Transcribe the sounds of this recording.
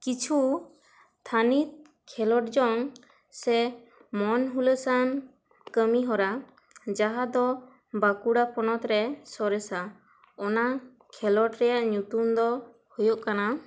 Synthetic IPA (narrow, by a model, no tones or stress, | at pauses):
kit͡ʃʰu | t̪ʰanit̪̚ | kʰɛlɔʈ̚d͡ʒɔŋ | sɛ | mɔnɦuləsan | kəmiɦɔɾa | d͡ʒaɦad̪ɔ | bakuɽapɔnɔt̪ɾɛsɔɾɛsa | ɔna | kʰɛlɔʈɾɛjaʔɲut̪umd̪ɔ | hujɔʔkana